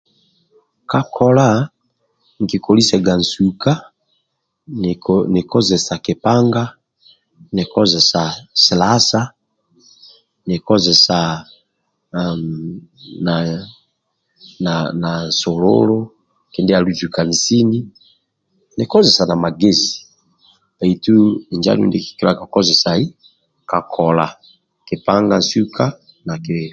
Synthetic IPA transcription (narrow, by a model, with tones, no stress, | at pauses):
ka˦kʰo˨la˦˨ | ŋ˨ki˨ko˨li˦sɛ˨ɡa˨n̩˨su˨ka˦˨ | ne˨ko˦ze˨sa˨ke˨pa˦ŋɡa˦ | ne˨kɔ˦ze˨sa˨se˨la˦sa˦ | ne˨kɔ˦ze˨sa˨ | na˨ | na˨na˨so˨lo̰˦lo˦ | ke˨nde˦a˨lu˦zu˨ka˨n̩˨si˦ni˦ | ne˨kɔ˦ze˨sa˨na˨ma˨ɡe˦zi̥˨ | ba˨i˨tu˦i˨nd͡ʒa̰˦lṵ˦nde˦ki̥˨ke˦a˨ka˨ko˦ze˨sa˨i˦ | ka˨kʰɔ˨la˨ | ke˨pa˦ŋɡa˦su˦kʰa˦ | na˨ke˨